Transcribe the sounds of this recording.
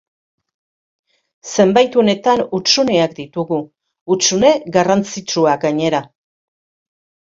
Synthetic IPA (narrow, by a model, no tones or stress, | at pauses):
se̞mbajt̪une̞t̪anut͡sune̞ak̚d̪it̪uɣuː | t͡sune̞ɡarant͡sit͡ʃuaɡaɲe̞ɾa